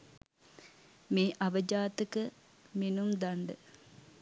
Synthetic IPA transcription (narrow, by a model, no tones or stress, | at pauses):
meːʔɐʋəd͡ʒaːt̪əkə | menumd̪aɳɖə